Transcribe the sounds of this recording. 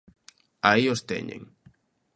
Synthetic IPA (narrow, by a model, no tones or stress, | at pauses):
aiost̪ḛɲḛ̃ŋ